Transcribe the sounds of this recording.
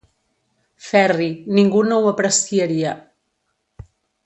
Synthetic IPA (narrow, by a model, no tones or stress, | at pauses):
fɛriniŋɡunowəpɾəsiəɾiə